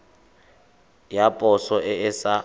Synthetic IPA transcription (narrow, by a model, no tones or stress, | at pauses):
japʼɔsɔʔɪɪsa